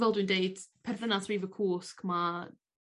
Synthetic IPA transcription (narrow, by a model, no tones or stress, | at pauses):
vɛlˠdɪndejdpʰɛrθənasriːvəkʰuːskʰma